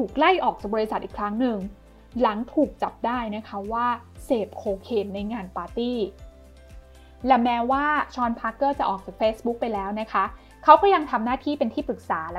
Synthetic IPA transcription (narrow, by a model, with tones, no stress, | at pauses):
t̪ʰuː˨˩k̚la˥˩jʔɔː˨˩k̚t͡ɕaː˨˩bɔː˧i˧sa˨˩t̪ʔiː˨˩kʰɾa˦˥ŋnɯ˨˧ŋ | la˩˦ŋt̪ʰuː˨˩k̚t͡ɕa˨˩p̚daː˥˩jna˦˥kʰa˦˥waː˥˩seː˨˩p̚kʰoː˧kʰeː˧˩n̚na˧jŋaː˧npaː˧t̪iː˥˩ | lɛ˨˥˩mɛː˦˥waː˥˩t͡ɕʰɔː˧npʰaː˦˥kːɤː˥˩t͡ɕa˨˩ʔɔː˨˩k̚t͡ɕaː˨˩k̚feː˦˥sbu˦˥k̚pa˧jlɛː˦˥wna˦˥kʰa˦˥ | kʰa˦˥wkɔː˥˩ja˧ŋt̪ʰa˧mnaː˥˩t̪ʰiː˥˩pe˧nt̪ʰiː˥˩pɯ˨˩k̚saː˩˦l